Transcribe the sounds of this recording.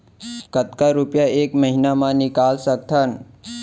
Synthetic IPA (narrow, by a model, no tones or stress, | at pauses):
kət̪kaɾupjaeːkməɦinamãnɪkaːlsək̚t̪ʰən